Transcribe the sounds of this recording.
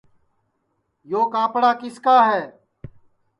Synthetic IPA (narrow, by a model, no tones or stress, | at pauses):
joːkaːpɽaːkɪskaːɦɛː